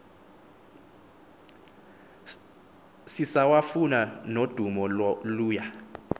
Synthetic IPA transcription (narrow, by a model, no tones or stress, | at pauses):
sisawafunanod̥ʱumɔluːja